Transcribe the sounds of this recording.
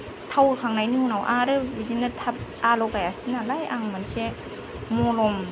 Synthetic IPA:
tʰawkʰaŋnajnihunawʔaɾɯbidinatʰap̚alɔkajasinalajaŋmanse | molɔm

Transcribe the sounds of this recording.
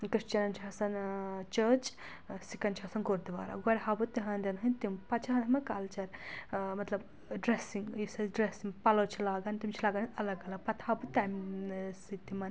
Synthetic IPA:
kɾiʂt͡ʃɐnɐnt͡ʃʰɐːsɐnt͡ʃəːt͡ʃ | sikɐnt͡ʃʰaːsɐnɡoɾd̪iʋa̰ːɾɐ̰ɡɔɽʲɦɐbut̪iɦɐnd̪ɐnɦɨnʲt̪impɐt͡ʃʰɐɦɐnɐmɐkaːlt͡ʃɐɾmɐt̪lɐb | ɖɾesiŋɡisɐɖɾesiŋɡpɐlɐwt͡ʃʰilaːɡɐnt̪imt͡ʃʰilaːɡɐniɐlɐɡɐlɐpɐt̪hɐbut̪amsit̪imɐn

